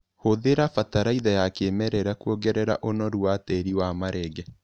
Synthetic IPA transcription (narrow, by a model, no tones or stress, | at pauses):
hoðeɾafataɾaiðajakemɛɾɛɾakuoɡɛɾɛɾa̰ʔonɔɾwatɛɾiwamaɾʔɛɡɛ